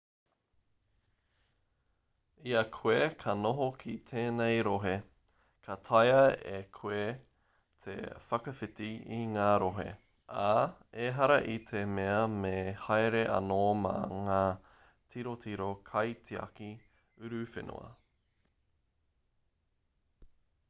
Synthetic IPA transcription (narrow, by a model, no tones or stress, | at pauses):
iɐkʰuekʰɐnoɦokʰit̪ʰeːnejɾoɦe | kʰɐt̪ʰajɐḛkʰue | t̪ʰḛfɐkɐfɪtiiŋaːɾoɦḛ | ʔaeɦɐɾɐʔit̪ʰemeɐmehajɾeʔɐ̰noːmɐ̰ŋaː | tʰiɾotiɾokʰɐjtʰiɐ̰ki | ʉɾʉfḛnʔo̰ɐ̰